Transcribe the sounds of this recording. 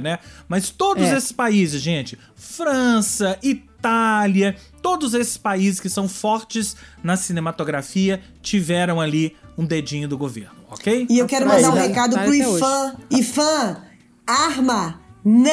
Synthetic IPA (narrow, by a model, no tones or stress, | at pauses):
nɛmɐst̪od̪ʊzesɪ̥spaizɪzʒẽt͡ʃɪ̥ | fɾɐ̃sɐʔit̪aljɐt̪od̪ʊzesɪ̥spaizɪskɪsɐ̃w̃fɔɾt͡ʃɪznɐsinẽmat̪oɡɾafiɐ | t͡ʃivɛɾɐ̃w̃aliũd̪ed͡ʒĩɲʊd̪ʊɡoveɾnʊɔkejɪewkɛɾʊmɐ̃nd̪aɾũhekad̪ʊɾʊifɐ̃ifɐ̃ | aɾmɐn